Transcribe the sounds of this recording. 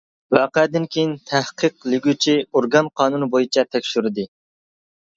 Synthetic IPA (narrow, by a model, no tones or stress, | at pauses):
wɑːqəd̪ɪnkʲʰejint̪ʰæhqʰəqlɪɡʲyt͡ʃʰioɾɡɑnqʰɑːnunbojit͡ʃʰɛt̪ʰɛkʲʃyɾɪd̪ɨ